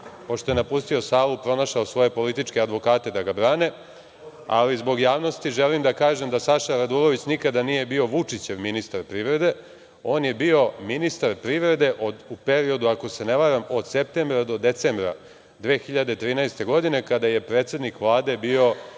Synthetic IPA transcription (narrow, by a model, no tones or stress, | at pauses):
po̞ʃt̪o̞jenapust̪io̞saːlupɾo̞naʃaosʋo̞je̞po̞lit̪it͡ʃke̞ad̪ʋo̞kaːt̪e̞d̪aɡabɾaːne̞ | a̰lizbo̞ɡjaːʋno̞st̪iʒelimd̪akaːʒe̞md̪asaʃaɾad̪uɾo̞ʋit͡ɕnikad̪anije̞bio̞ʋut͡ʂit͡ɕe̞ʋminist̪aɾpɾiʋɾe̞d̪e̞ | o̞ːnjebio̞minist̪aɾpɾiʋɾe̞d̪e̞ʔod̪upe̞ɾio̞d̪uako̞se̞neʋaɾamo̞d̪sep̚t̪embɾad̪o̞d̪e̞t̪sembɾa̰ | d̪ʋeːxiʎad̪e̞t̪ɾiːnaest̪e̞ɡo̞d̪ine̞kad̪aje̞pɾeːt̪sje̞d̪nikʋlˠaːd̪e̞bio̞